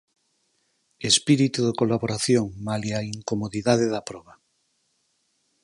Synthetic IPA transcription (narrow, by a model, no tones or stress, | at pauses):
espiɾit̪uðekolaβoɾaθjoŋmaliaiŋkomoðiðaðeðapɾɔβa